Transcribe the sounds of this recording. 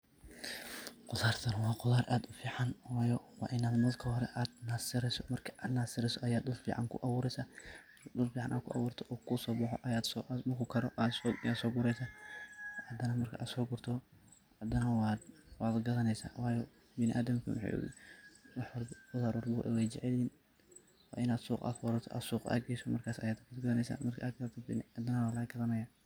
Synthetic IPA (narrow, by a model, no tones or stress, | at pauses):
qʊlaːrt̪ʰɐnwɑːqʊlaːɾʔaːd̪ʊfiːʕanwɑːjɔwɑ̰ːʔɪnaːd̪mɐlkʰɐhɔɾɛʔaːd̪naːsɪɾɛsɔ̥mɐrkʰi̥ʔaːd̪naːsɪɾɛsɔʔɐjaːd̪d̪ʊlfḭːʕa̰ŋkʰʊ̰ʔɐwuːɾɛjsaː | d̪ʊlfiːʕɑnʔaːd̪̚kʰʊʔɑ̰wuːrt̪ʰɔʔɔkʰʊsɔːbɑħɔ̰ʔɐjaːd̪sɔʔʊkʰʊkʰɐɾɔʔasɔjaːd̪sɔːɡʊɾɛjsaː | ʕɑd̪ɐnɐmɐrkʰɐʔaːd̪sɔːɡʊrt̪ʰɔ | ʕɑd̪ɐnɐwɑd̪wɑːd̪ɡɐðɐnɛjsa̰ːwɑːjɔ | bɪnɪʔaːd̪ɐmkʰɐ̰w̰ħo̰ | wɑħwɐlbbʊðaɾɔrbɔʔɛ̰wɛjt͡ʃɛʕɛliːn | wɑ̰ʔɪnaːd̪suːqʼa̰ːfwɔɾɐt̪ʰɔʔa̰ːd̪suːqa̰ːɡɛjsɔmɐ̰rkʰaːsɐjaːd̪ɡʊd̪ɡɐðɐnɛjsa̰ːmɐrkʰɐʔakɐɾɐt̪ʰɔbɪnad̪ɐnɐwaːlɐɡɐðɐnɐjaː